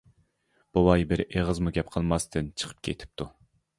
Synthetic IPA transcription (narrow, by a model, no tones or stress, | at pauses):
b̥owɑjbɪɾeʁəzmuɡʲɛpqʰəlˠmɑst̪ʰɪnt͡ʃʰə̥qʰə̥p̚kʲʰḛt̪ʰɪ̥p̚t̪ʰu